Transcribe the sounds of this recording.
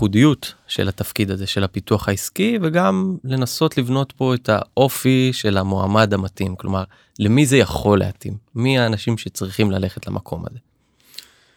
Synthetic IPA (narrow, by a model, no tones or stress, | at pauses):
χudijutʃe̞̰latafkid̪aze̞ʃe̞lhapituaχaiskiveɡamle̞naso̞tlivno̞tpo̞e̞tʰa̰ʔo̞fiʃe̞lamoa̰madhamatimklo̞̰maʁ | lemize̞jaχo̞lːḛatimːiaːnaʃimʃe̞t͡sʁiχimlale̞χetlamʔakʰo̞ma̰ze̞